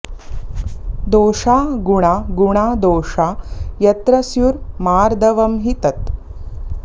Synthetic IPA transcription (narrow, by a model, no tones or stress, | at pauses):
d̪oːʂaːɡuɳ̃aːɡuɳ̃aːd̪oːʂaːjɐt̪ɾɐsjuɾmaːɾd̪ɐʋɐmɦit̪ɐt̪